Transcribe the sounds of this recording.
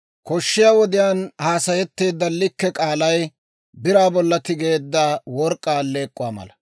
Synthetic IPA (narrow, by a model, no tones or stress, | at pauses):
kɔʃːɪjaːwɔd̪ɪjaːnhaːsɐjɛt̪ːe̞ːd̪ːɐlːɪkːɛkʼaːlɐj | bɪɾaːbɔlːɐt̪ɪɡe̞ːd̪ːawɔɾkʼːaːle̞ːkʼːʊwaːmɐ̰lɐ